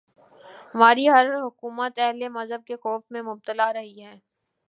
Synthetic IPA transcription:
ɦɐmaːɾiɦɐɾɦʊkuːmət̪ɛɦlemɐzɦəb̚kexɔːfmẽmʊb̚t̪əlaɾɐɦiɦɛ̃ː

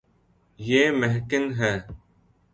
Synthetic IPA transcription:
jeːmeɦkɪnɦɛː

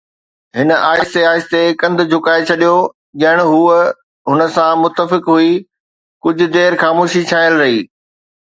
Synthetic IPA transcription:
ɦɪnə̆aːɪst̪eaːɪst̪ekɐ̃nd̪ʊ̆d͡ʑʱʊkaːet͡ɕʰɐɗijo | ʄɐɦɪɽ̃ɦuː | ɦʊnə̆sãmʊt̪ːəfɪkɦui | kʊd͡ʑʱʊ̆d̪eːɾxaːmoːʃit͡ɕʰaːəlɾɐɦiː

